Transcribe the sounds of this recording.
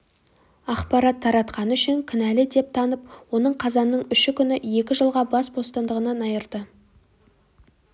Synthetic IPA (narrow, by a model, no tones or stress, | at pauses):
ɑqpɑɾɑt̪ʰːɑɾɑt̪qɑnəʏʃɪŋkʲʰɪnælɪd̪e̞p̚t̪ʰɑnəpwo̞nəɴqʰɑzɑnːəɴʏʃɪkʲʰʏnɪje̞kʲɪʒəlˠʁɑbɑsbo̞st̪ɑnd̪əʁənɑnɑjəɾd̪ə